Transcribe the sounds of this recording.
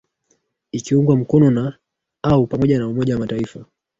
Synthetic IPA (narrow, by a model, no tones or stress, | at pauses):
ikiuŋɡwam̩kɔnɔna | aupamɔʄanaumɔʄawamataifa